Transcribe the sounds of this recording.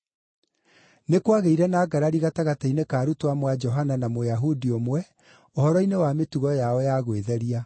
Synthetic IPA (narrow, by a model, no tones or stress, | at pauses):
nekwaɣeiɾɛnaːɡaɾaɾiɣataɣatainekaːɾutwamwad͡ʒɔɦananamojaɦudiomwɛ | ohɔɾɔinewametuɣɔjaɔjaɣweðɛɾia